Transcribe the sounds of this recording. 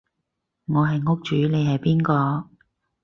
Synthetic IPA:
ŋɔː˨˧ɦɐ˨jŋʊ˥k̚t͡ʃyː˨˥ne˨˧jɦɐ˨jpiː˥nkɔː˧

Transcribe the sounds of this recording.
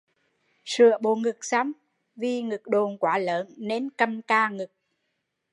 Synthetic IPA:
sɨ̰˧˩˨əɓo˧˩ŋɨ˨˩k̚sa˨˦m | vi˧ŋɨ˨˩k̚ɗo˨˩nkwaː˨˦ləː˨˦nne˧nkə˧mkaː˧ŋɨ˨˩k̚

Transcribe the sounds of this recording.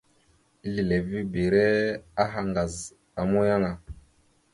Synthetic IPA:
i˦li˨le˨vi˦be˨ɾɛ˦a˦ɦa˨ŋɡa˨z | a˨mo˦ja˦ŋa˨

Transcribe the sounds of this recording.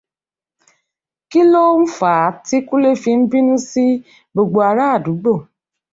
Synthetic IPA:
ki˦lo˦m̩˦fa˨˦ti˦ku˦le˦fi˦m̩˦bi˦nũ˦si˦ | bo˨ɡ͡bo˨a˨ɾa˦˨du˨˦ɡ͡bo˦˨

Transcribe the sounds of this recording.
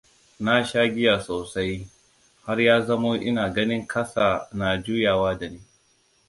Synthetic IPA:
na˦ʃaː˦ɡʲɪ˦jaː˨soː˨sa˦j | ha˦rjaː˦zɐ˦moː˦ʔɪ̰˦naː˨ɡɐ˦nɪ˦ŋkʰɐ˦saː˨na˨d͡ʒuː˦jaː˨waː˦da˨neː˦

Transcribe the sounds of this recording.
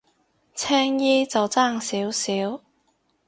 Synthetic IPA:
t͡sʰɛː˥ŋjiː˥t͡sɐ˨wt͡saː˥˩ŋsiː˨˥wsiː˨˥w

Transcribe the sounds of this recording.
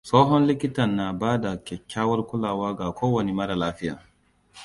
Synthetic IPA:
soː˦ɦɔ˦nlɪ˦kʲɪ˦tɐ˨nːa˨baː˦da˨kʲɛ˨kʲʰːaː˦wɐ˦rkʷʊ˦laː˨waː˦ɡa˨kʷʰoː˦wɐ˨ni˨mɐ˦ɾa˨laː˦ɸɪ˦ja̰ː˨

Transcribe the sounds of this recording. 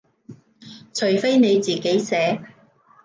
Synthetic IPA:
t͡ʃʰɵ˨˩ɥfe˥jne˨˧jt͡siː˨˩ke˨˥jsɛː˨˥

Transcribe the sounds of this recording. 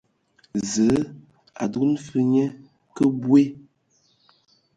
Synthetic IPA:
zə˨˦ | a̰˨du˦n̩˦fɨ˦ɲɛ˦ | kə˦bwe˦

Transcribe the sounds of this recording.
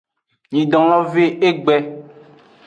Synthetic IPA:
ɲĩ˨dɔ̃˨l̃ɔ̃˦ve˦e˦ɡ͡bɛ˦

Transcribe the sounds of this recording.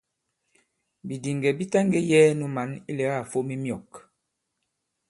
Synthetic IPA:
bi˨di˨ŋɡɛ˨bi˦ta˦ŋɡɛ˦jɛ˦nu˦ma˨˦ni˦lɛ˨˦ɣa˦˨fo˦mi˦mjɔ˨k

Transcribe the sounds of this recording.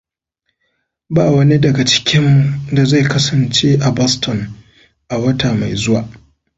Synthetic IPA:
baː˦˨wɐ˦ni˦dɐ˨ɡa˨t͡ʃɪ̥˦kʲɪ˦mːu˨da˨za˦˨jkɐ˦sɐ˨nt͡ʃe˦ʔa˨bɔ˦stʰɔ˨n | ʔa˨wɐ˦taː˨ma˨jzʊ˦wa̰ː˨ʔ

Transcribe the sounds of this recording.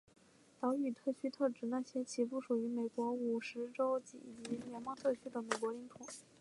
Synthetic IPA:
t̪ɑ˧˥ʊy˨˩t̪ʰɤ˥˩t͡ɕʰy˥t̪ʰɤ˥˩ʈ͡ʂɻ̩˨˧˥na˥˩ɕjɛ˥t͡ɕʰi˧˥pu˥˩ʂu˨˩y˧˥me˨˩ɪkwɔ˧˥u˨˩ʂɻ̩˧˥ʈ͡ʂo˥ʊt͡ɕḭ˨˩t͡ɕi˧˥ljɛ˧˥nmɑ˥ŋt̪ʰɤ˥˩t͡ɕʰy˥d̪ə˧˩me˨˩kwɔ˧˥li˧˥ŋt̪ʰʊ˨˩˦ŋ

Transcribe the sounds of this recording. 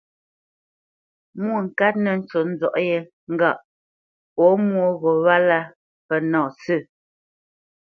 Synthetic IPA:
mwo˦˨ŋ̩˨ka˦t̚nə˨n̩˦t͡ʃo˨n̩˦zɔ˨ʔjɛ˦ | ŋ̩˦ɡa˦˨ʔ | ɔ˨˦mwo˦ɣɔ˨βa˦la˦ | pɛ˨nɔ˨sʉ˦˨

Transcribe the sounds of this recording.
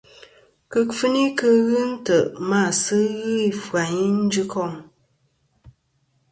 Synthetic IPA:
kə˦kfɨ˦ni˦kə˦ɣɨ˦n̩˦tə˨ʔma˦˨sɨ˦ɣɨ˦i˨fwa˨ɲi˦n̩˦d͡ʒɨ˦kʰɔ˦˨ŋ

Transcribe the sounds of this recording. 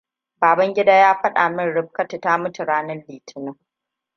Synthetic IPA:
baː˨bɐ˦ŋɡʲɪ˦daː˦jaː˦ɸɐ˦ɗa˨mɪ˦nɽɪ˦b̚kɐ˦tɪ˨taː˦mʊ˦tʊ˨ɽaː˦nɐ˦nliː˨tʰɪ˦nɐ˦

